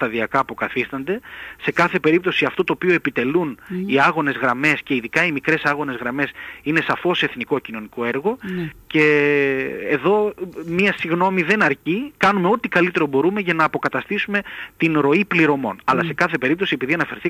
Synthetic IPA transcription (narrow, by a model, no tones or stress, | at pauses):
t̪ɐðiɐkɐːpokɐθist̪ɐnd̪e̞se̞kɐθe̞pe̞ɾip̚t̪o̞siɐft̪o̞t̪oːpio̞e̞pit̪e̞luniɐɣo̞ne̞zɣɾɐme̞sce̞iðikɐimikɾe̞sɐɣo̞ne̞zɣɾɐme̞sine̞sɐfo̞se̞θniko̞cino̞niko̞e̞ɾɣo̞ce̞ː | ðo̞miɐsiɣno̞miðe̞nɐɾcikɐnume̞o̞t̪ikɐlit̪e̞ɾo̞bo̞ɾume̞ʝɐnɐːpo̞kɐt̪ɐst̪isume̞t̪inɾo̞ipliɾo̞mo̞̰nɐlɐse̞kɐθe̞pe̞ɾip̚t̪osiepiðiɐnɐfe̞ɾθi